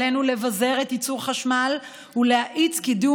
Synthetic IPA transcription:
enule̞vaze̞ʁet̪it͡suʁχaʃmal | hulehaʔit͡skid̪u

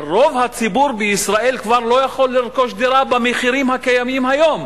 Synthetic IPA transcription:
ʁo̞vhat͡sibuɾbeisʁaʔe̞lkvaʁlo̞jaχo̞lːiʁko̞ʃd̪iɾabameχiɾimhakajamimhajo̞m

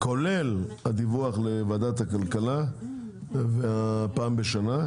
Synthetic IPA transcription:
kole̞lad̪ivuaχlevad̪at̪hakalkala | veapaːmbeʃana

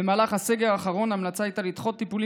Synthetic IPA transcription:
emaːlaχhase̞ɡe̞ʁaːχaʁo̞naːmlat͡saajt̪alit̪χo̞t̪ːipuli

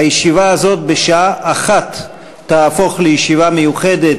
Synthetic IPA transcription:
ajeʃivaazo̞t̚beʃaaʔːχatː | aːfo̞χlejeʃivame̞juχe̞det

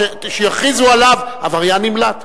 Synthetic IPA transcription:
eʃejaχizualavavaʁjanimlat̪

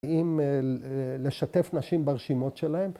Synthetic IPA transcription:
im | le̞ʃat̪e̞fnaʃimbaʁʃimo̞t̪ʃelahe̞m

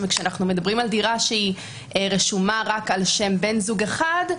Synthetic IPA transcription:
vekʃeanaχnume̞d̪abʁimaldiʁaʃei | ʁeʃumaʁakalʃe̞mbe̞nzuɡeχad

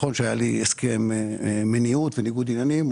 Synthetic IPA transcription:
onʃajalieskɛmmeniut̪veniɡud̪inanim

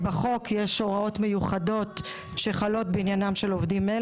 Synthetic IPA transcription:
beχo̞kʰjeʃo̞ʁao̞tme̞juχado̞t | ʃeχalo̞t̪̚beinjanamʃelovd̪ime

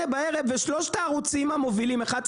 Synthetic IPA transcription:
ebae̞ʁevːeʃlo̞ʃtaːʁut͡simamo̞vilimeχad̚

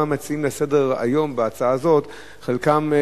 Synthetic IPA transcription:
amat͡siimlese̞de̞ʁa̰jo̞mbeat͡saazo̞t | χelkam

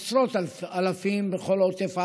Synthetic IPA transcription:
sɾot̪alfalafimbeχo̞lot̪efa

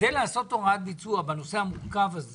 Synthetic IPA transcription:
elaasot̪oŋadlit͡suabanoseamukavaz

